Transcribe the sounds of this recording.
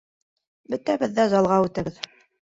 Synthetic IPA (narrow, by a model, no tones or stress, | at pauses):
bɵ̆t̪æbɘ̆ðːæzɑlˠʁɑʉt̪æɘð